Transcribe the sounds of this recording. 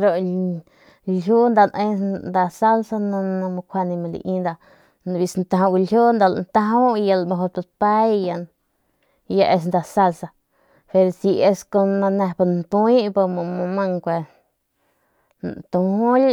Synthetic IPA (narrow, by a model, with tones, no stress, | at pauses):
ɾo˨ | lju˦nd̪a˧˨nʔẽ˧nd̪a˧sa˦lsa˧nã˧nã˧mo˧kʷʰa˧nĩ˧mã˧lḭ˧ʔĩ˧nd̪a˧˨ | n˧bi˧snt̪ã˧ɦõ˧ɡu˧lju˦nd̪a˧l̰nt̪a˧ɦo˦˧ja˧lmo˧ɦo˧ta˧pa˦jja˧n | ja˧ʔe˧s̬nd̪a˧˨sa˧lsa˧ | pe˧ɾsi˧e˧sko˧nã˧nẽ˧pa˧nt̪u˧i˦pa˧mo˧mõ˧mã˦˧ŋkʷe˧ | t̪ũ˧hũ˦